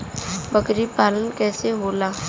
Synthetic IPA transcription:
bɐkɾipaːlənkɛːseɦoːlaː

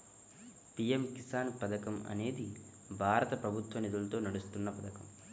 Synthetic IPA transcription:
pijemkisaːnpɐd̪ɐkɐmɐ̰ne̞ːd̪i | bʱaːɾɐt̪ɐpɾɐbʱut̪ʋɐnid̪ulɐt̪o̞ːnɐɽust̪unːɐpɐd̪ɐkɐm

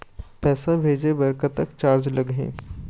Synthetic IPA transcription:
pɛːsãbʱeːd͡ʒebɐɾkət̪əkt͡ʃaːɾd͡ʒlɐɡɦḛ̃ː

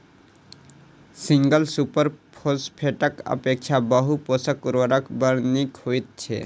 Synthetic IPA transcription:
siŋɡəlsupəɾpʰospʰeʈəkə̰pekt͡ʃʰabəɦuposəkːuɾʋəɾəkbəɾnikhojt̪̚t͡ʃʰḛ

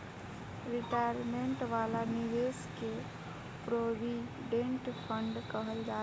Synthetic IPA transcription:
ɾiʈajɾmeɳʈʋalaniʋeske | pɾobi | ɖẽɳʈpʰəɳɖkəɦəld͡ʒa

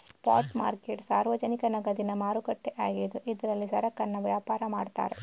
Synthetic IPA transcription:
spa̰ːɾʈma̰ːɾkeʈsaːɾʋɐd͡ʒɐnikɐnɐɡɐd̪inɐmaːɾukɐʈːeʔaːɡid̪uʔid̪ɐɾɐlːisɐɾɐkɐnːɐʋjaːpaːɾɐmaːɖt̪a̰ːɾe

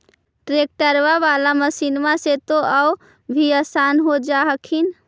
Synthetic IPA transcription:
ʈɾek̚ʈəɾʋaʋalaməsinmaset̪oʔəw | bʱiəsanɦod͡ʒaɦəkʰin

